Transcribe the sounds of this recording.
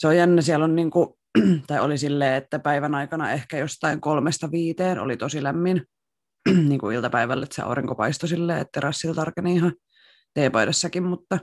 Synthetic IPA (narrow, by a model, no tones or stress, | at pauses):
seojjænːæsiælonniːŋku | t̪ɑiolisilːeːet̪ːæpæiʋænɑikɑnɑ̰ehkæjost̪ɑiŋkolmest̪ɑʋiːt̪eːno̰lit̪osilæmːin | niːŋkuilt̪ɑpæiʋælːet̪sḛɑ̰uriŋkopɑ̰ist̪osilːeːḛt̪ːerɑsːilt̪ɑrkeniːhɑ | t̪eːpoiɾesːɑkimmut̪ːɑ